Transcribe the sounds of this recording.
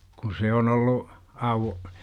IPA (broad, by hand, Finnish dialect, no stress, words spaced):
kun̞ se on olːu ɑuw